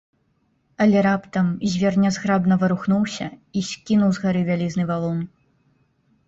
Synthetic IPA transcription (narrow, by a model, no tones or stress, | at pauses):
ɐlʲɛɾapt̪ɐmzʲvʲɛrnʲɐzɣɾabnɐvɐɾuxnuwsʲɐ̰isʲkʲinuwzɣaɾɨvʲalʲiznɨvalˠɔn